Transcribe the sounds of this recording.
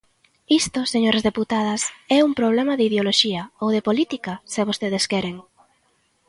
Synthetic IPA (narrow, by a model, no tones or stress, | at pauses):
ist̪oseɲoɾɐzðeput̪aðɐsɛumpɾoβlɛmɐðɪiðeoloʃiɐowðepolit̪ikɐsɪβ̞ost̪eð̞eskɛɾeŋ